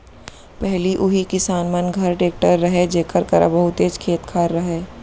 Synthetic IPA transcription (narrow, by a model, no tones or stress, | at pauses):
pɛɦliʔʊɦikɪsaːnmɐnɡʱɐɾʈeːk̚ʈəɾːɐɦed͡ʒeːkəɾkɐɾa̰bɐɦʊt̪eːd͡ʒkʰeːt̪kʰaːɾːɐɦeː